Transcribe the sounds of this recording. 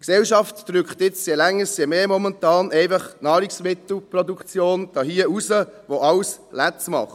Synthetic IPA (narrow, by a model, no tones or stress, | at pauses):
ksɛlʃɑftd̥ɾʏkχt̪ɪt͡sjelɛŋːəɾsjemeːmɔmɛntɑːnɛɪfɑχnɑːɾiksmɪt̪l̩pɾɔdukt͡sjoːnd̥ɑːhiːəusəʋoɑwslæt͡smɑ̰χ